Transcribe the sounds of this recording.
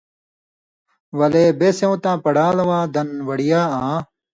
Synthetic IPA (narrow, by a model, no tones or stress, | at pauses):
wɐleːbeːsẽũːt̪ãːpɐɽaːlɐwãːd̪ɐnwɐɽijaːãː